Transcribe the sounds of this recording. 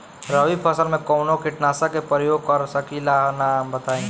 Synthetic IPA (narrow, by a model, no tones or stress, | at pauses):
ɾəʋipʰəsəɾmẽkɔʊnokɪʈnaːsakepəɾjoːɡkɔɾsəkilanambət̪aːẽ